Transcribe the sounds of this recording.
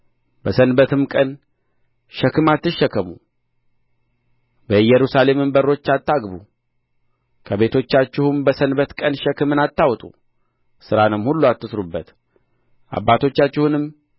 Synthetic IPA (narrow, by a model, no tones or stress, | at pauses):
bəsənbət̪ʰɨmkʼən | ʃɛkːɨmat̪ːɨʃːəkːəmṵ | bəɨjɛɾusale̞mɨmbəɾːo̞t͡ʃːat̪ːaɡbṵ | kʰəβe̞t̪ʰo̞t͡ʃːat͡ʃːɪhumbəsənbət̪kʼənʃəkːɨmɨnat̪ːawt̪ʼṵ | sɨɾanɨmhulːuat̪ːɨsɾubːət̪ | ʔa̰bːat̪ʰo̞t͡ʃːat͡ʃːɪhunɨm